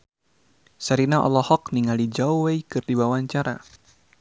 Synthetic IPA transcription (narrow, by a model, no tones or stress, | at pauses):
saɾinaʔɔ̰lɔhɔkniŋalid͡ʒauweikɨrdibawaɲt͡ʃaɾa